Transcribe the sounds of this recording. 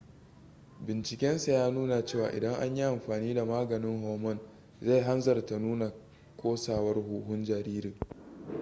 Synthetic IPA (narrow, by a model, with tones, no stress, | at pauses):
bɪ˨nt͡ʃɪ˨kʲɛ˦nsa˨jaː˦nuː˦na˨t͡ʃeː˦˨wa̰ː˨ʔɪ̰˨dɐ˦ŋʔa̰˦ɲji˦ʔa˨mɸaː˨niː˦da˨maː˦ɡɐ˨nɪ˦ŋɦɔː˨mɔ˦˨n | za˦˨jɦa˦nzɐ˨rta˨nuː˦na˨ | kʰʷoː˦saː˨wɐ˦rɦuː˨ɦʊ˦nd͡ʒɐ˨ɾiː˦ɾɪ˨ŋ